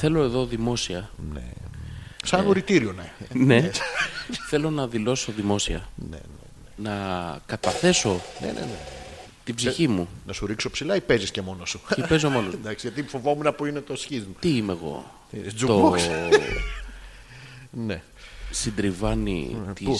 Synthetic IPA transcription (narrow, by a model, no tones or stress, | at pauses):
θe̞lo̞e̞ðo̞ðimo̞siɐnḛ | sɐoɾit̪iɾio̞nene | θe̞lo̞nɐðilo̞so̞ðimo̞siɐnḛnḛnenɐkɐt̪ɐθe̞so̞nḛnḛnḛ | t̪ibziçimunɐsuɾikso̞psilɐipe̞zisce̞mo̞nosu̥ipe̞zomo̞nosnd̪ɐksiʝɐt̪ifo̞vo̞munɐpuinet̪osçizmut̪iimeɣo̞̰ | d͡zut̪oo | ne | sind̪ɾivɐnḭt̪i